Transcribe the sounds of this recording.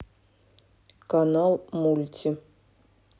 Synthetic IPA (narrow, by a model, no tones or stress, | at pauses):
kanalˠmulʲtʲʰi